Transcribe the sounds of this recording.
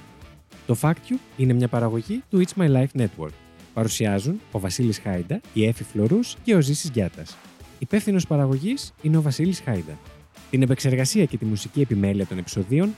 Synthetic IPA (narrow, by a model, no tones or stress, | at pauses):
t̪o̞fɐkt̪çuine̞mɲɐpɐɾɐɣo̞ʝit̪uit͡smɐjlɐjfne̞t̪wo̞̰ɾk | pɐɾusiɐzuno̞vɐsilisxɐjd̪ɐie̞fiflo̞ɾusce̞o̞zisizʝɐt̪ɐs | ipe̞fθino̞spɐɾɐɣo̞ʝisine̞o̞vɐsilisxɐjd̪ɐ | t̪ine̞pekse̞ɾɣɐsiɐce̞t̪imusicie̞pime̞liɐt̪o̞ne̞pi̥so̞ðio̞n